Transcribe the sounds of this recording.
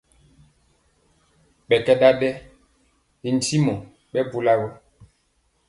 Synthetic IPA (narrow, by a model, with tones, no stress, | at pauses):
ɓɛ˨kɛ˦ɗa˦ɗɛ˦ | i˨n̩˦ti˦mɔ˨ | ɓɛ˦bu˦la˦wɛ˦